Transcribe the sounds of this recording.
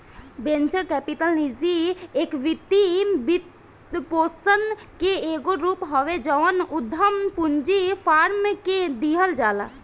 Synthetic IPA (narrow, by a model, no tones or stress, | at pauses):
bẽːnt͡ʃəɾkɛːpiʈəlnid͡ʒieːkʋɪt̪ːibit̪ | poːsən | keeːɡoɾuːpɦɔʋed͡ʒɔʋənʊd̪ʱəmpuɲd͡ʒipʰaːɾmked̪iɦəld͡ʒaːla̰ː